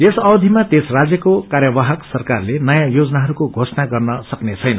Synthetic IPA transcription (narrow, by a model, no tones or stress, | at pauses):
esʌbd̪ʱimat̪esrad͡zjʌkokaɾjʌbaɦʌksʌrkarlenʌjãjod͡zʌnaɦʌɾukoɡʱosnaɡʌrnʌsʌknet͡sʰʌjnʌ